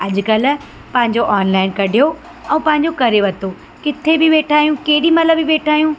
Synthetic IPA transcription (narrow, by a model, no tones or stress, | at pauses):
ɐʄʊ̆kɐl̆ | pɐ̃ɦɪ̃ɲd͡ʑoʔɔːnlaːɪnkɐɖʱijo | ɛ̃ːpɐ̃ɦɪ̃ɲ̆d͡ʑokɐɾeʋɐt̪ʰo | kɪt̪ʰebɪʋeːʈʰaːijũkeɦɪɽimɐləbiʋeːʈʰaːjũː